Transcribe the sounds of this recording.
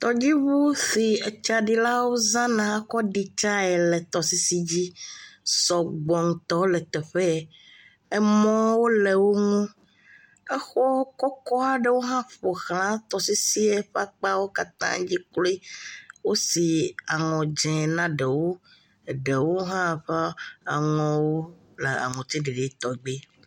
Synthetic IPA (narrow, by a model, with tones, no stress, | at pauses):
t̪ɔ˨d͡ʑi˦βu˦θi˨e˨t͡ʃa˨ɖi˨la˦wo˦zã˦nã˨a˦kɔ˦ɖi˦t͡ʃa˦ɛ˨lɛ˨t̪ɔ˨si˦si˦d͡ʑi˦sɔ˨ɡ͡bɔ˨ŋũ˨t̪ɔ˦lɛ˨t̪ɛ˨ɸɛ˦˨ | e˦mɔ̃˦wo˦le˨wo˦ŋũ˦ | ɛ˦xɔ˦kɔ˦kɔ˦a˨ɖe˦wo˦ɦã˦ɸo˨xl̃ã˦t̪ɔ˨si˦si˦e˦ɸa˦k͡pa˦wo˦ka˦t̪ã̰˦d͡ʑi˦klo˦i˦wo˦si˨a˨ŋɔ̃˨d͡ʒɛ̃˨nã˦ɖe˨wo˦˨ | ɖe˨wo˦ɦã˦ɸɛ˦a˨ŋɔ̃˨wo˦ | le˨a̰˨ŋɔ̃˨t̪i˦ɖe˨ɖe˨˦t̪ɔ˨ɡ͡be˦